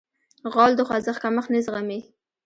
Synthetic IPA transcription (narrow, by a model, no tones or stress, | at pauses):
ɣɑld̪əxwazəxkaməχnizʁame